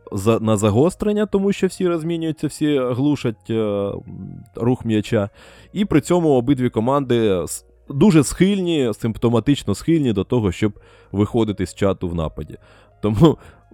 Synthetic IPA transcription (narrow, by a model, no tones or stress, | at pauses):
zɐnɐzɐɦɔst̪ɾenʲːɐt̪ɔmuʃt͡ʃɔwsʲiɾɐzʲmʲinʲʊjʊt͡sʲːɐwsʲiɦlˠuʃɐtʲ | ruxmjɐt͡ʃa | ipɾɪt͡sʲɔmʊɔbɪd̪ʲʋʲikɔmɑnd̪ɪs | d̪uʒɛsxɪlʲnʲisɪmpt̪ɔmɐt̪ɪt͡ʃnɔsxɪlʲnʲid̪ɔt̪ɔɦɔʃt͡ʃɔb̚ | ʋɪxɔd̪ɪt̪ɪsʲt͡ʃɑt̪ʊwnɑ̰pɐdʲḭ | t̪ɔmu